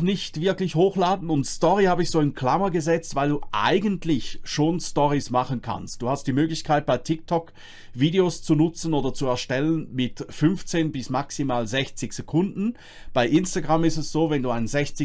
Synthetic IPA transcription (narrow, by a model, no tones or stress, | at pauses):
nɪçtv̥ɪɐklɪçhoːxlaːdn̩ʊntstɔʁihaːbəɪçz̥oːɪnkʰl̥amɐɡəzɛt͡stvaɪlduːʔa̰ɪɡəntlɪçʃoːnstɔʁismaχənkʰa̰nst̚d̥uːhastd̥iːmøːɡlɪçkʰaɪt̚b̥aɪtʰɪk̚tʰɔk | v̥iːdeost͡sunʊt͡sn̩oːdɐt͡suɛɐʃtɛlənmɪtfʏnft͡seːnbɪsmaksimaːlzɛçt͡sɪçz̥ekʰʊndn̩ | b̥aɪʔɪnstaɡʁamɪstɛsz̥oːvɛnduːaɪnənzɛçt͡sɪ